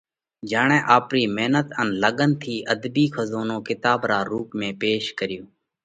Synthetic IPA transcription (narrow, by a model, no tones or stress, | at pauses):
d͡ʒaːɳɛ̃ːʔaːpɾiːmeːnət̪ənləɠənt̪ʰiːʔəd̪biːkʰəzoːnõːkɪt̪aːbɾaːɾuːpmẽːpeːʃkəɾɪjoː